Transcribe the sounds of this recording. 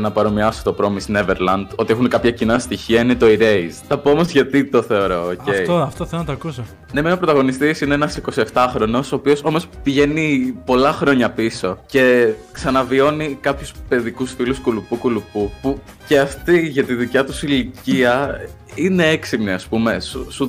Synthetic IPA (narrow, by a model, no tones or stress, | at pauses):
nɐpɐɾo̞miɐsot̪o̞pɾo̞misne̞veɾlɐnd̪o̞t̪iexunkɐpçɐcinɐst̪içiɐinet̪o̞iɾeizθɐpoomo̞zʝɐt̪it̪o̞θe̞o̞ɾo̞oce̞ioɐft̪oθelnɐt̪oɐkuso | nemenopɾot̪ɐɣo̞nist̪isineenɐsiko̞sie̞ft̪ɐxɾo̞no̞so̞ːpio̞so̞mo̞spiʝe̞nipo̞lɐxɾo̞ɲɐpiso̞ce̞ksɐnɐvio̞nikɐpçuspe̞ðikusfiluskulupukulupupu | ce̞ɐft̪iʝɐt̪iðicɐt̪usiliciɐ | ine̞eksimniɐspume̞susu